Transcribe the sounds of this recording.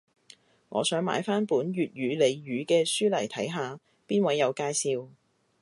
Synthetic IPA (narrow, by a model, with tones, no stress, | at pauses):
ŋʔɔ̰ː˨˧sœː˨˥ŋma̰ː˨˧˥jfaː˥npuː˨˥nɥyː˨t̚ɥyː˨˧le˨˧jɥyː˨˧kɛː˧syː˥lɐ˨˩jt̪ʰɐ˨˥jɦaː˨˧ | piː˥nwɐ˨˥jːɐ˨˧wkaː˧jsiː˧w